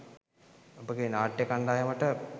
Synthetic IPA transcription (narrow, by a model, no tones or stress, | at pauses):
obəɡenaːʈːjekand̪aːjɐməʈə